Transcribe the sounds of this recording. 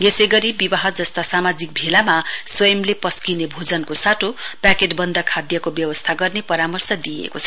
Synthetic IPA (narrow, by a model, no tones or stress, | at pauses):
ɡeseɡʌɾibibaɦʌd͡zʌst̪asamad͡zik̚bʱelamaswʌjʌmlepʌskinebʱod͡zʌnkosaʈʰopakeʈbʌnd̪ʌkʰad̪jʌkobjʌwʌst̪ʰaɡʌrnepʌɾamʌrsʌd̪ijḛkot͡sʰʌ